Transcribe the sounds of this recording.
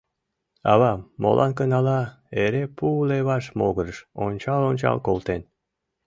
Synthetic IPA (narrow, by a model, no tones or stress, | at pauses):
ɑβɑmo̰lʔɑ̰nkənɑlɑ | eɾepuleβɑʃmoɣəɾəʃonʲt͡ɕɑlˠont͡ɕɑ̰lkolt̪en